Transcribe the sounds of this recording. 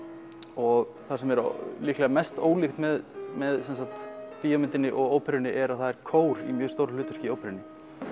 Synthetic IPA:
ɔɣ | θasɛmɛɾ̰liːklɛɣamɛst̪oːwlixt̪mɛðmɛðsɛnsat̪piːjamɪnt̪ɪnːɪʔɔɣowpʰɛɾɪnɪʔɛɾaðθaðɛɾ̥kʰoːwɾḭmjœːɣst̪oːwɾalʏːt̪ʏɾ̥ciowpʰɛɾɪnːɪ

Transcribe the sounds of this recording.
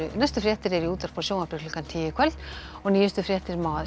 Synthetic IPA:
ʏnɛjst̪ʏfɾjɛːht̪ɪɾɛɾiuːt̪aɾ̥pʰɔɾsownapɾɪkʰlʏkant̪ʰiːjɪkʰvɛl | ɔɣniːjɪst̪ʏfɾjɛːht̪ɪɾmaːað

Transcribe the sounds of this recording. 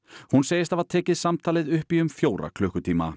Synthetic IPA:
hunseːjɪst̪avaðt̪ʰɛːcɪðsamt̪ʰaːlɪðʏhpiʏmfjoːwɾa̰kʰlʏhkʏt̪ʰiːma̰

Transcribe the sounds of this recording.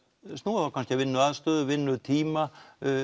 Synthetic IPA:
st̪oːθawkanscɪavɪnːʏaðst̪œːðʏvɪnːʏt̪ʰiːma

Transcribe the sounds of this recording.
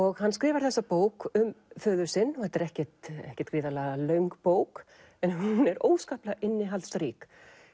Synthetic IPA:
ɔɣhanːskɾɪːvaɾ̥θɛsːapoːwkʏmfœːðʏɾ̥sɪnːɔhɛt̪ɛɾɛhcɛt̪ɛ̰hcɛ̥t̪̚kɾiːðalaːɣalœɥŋkpoːwk | ɛnɦunɛɾoːwskaːhplaʔɪnːɪɦalt̪sɾiːk

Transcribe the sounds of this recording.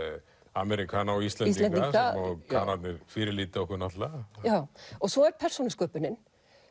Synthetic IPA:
amɛɾikʰaːnaɔɣist̪lɛnsɛntk̪iaɔɣkʰaːnat̪nɪɾfɪːɾɪliːt̪ɔhkʏnat̪lajaːwɔɣsɔɛɾpʰɛr̥sunʏskœːpʏnɪn

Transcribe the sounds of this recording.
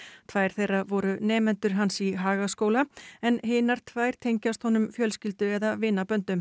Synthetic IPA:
t̪ʰvaːjɾ̥θejravɔɾʏnɛːmɛnt̪ʏɾ̥ɦansiɦaːɣaskowlaɛnɦɪːnaɾ̥t̪ʰvaːjɾ̥t̪ʰejɲcast̪hɔnʏmfjœlscɪlt̪ʏɛðavɪnːapœnt̪ʏm

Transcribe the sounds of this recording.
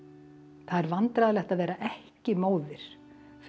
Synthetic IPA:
θaðɛɾvant̪ɾaðlɛht̪aðvɛːɾaʔɛhcɪmoːwðɪɾ̥ | f

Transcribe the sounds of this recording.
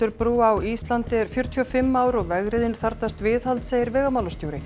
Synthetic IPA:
ʏɾpɾuːawist̪lant̪ɪɛɾ̥fjʏɾ̥t̪ʰiɔfɪmːaːwɾɔɣvɛɣɾɪðɪnθaɾt̪ast̪vɪːðhalt̪seːjɪɾvɛːɣamaːwlɔst̪joːwɾɪ

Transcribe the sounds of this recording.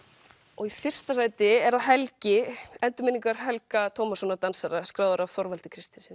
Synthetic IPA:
ɔɣifɪr̥st̪asaːjt̪ɪɛɾaðɦɛlcɪɛnt̪ʏmɪniŋkaɾ̥ɦɛlkat̪ʰɔːwmasɔnːat̪ansaɾaskɾaːwðʏɾavθɔɾvalt̪ɪkʰɾɪst̪ɪnsɪn

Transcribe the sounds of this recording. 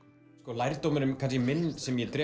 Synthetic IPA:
skɔlajɾt̪owmʏɾʏmkʰanscɪmɪnːsɛmjɛt̪ɾɛ

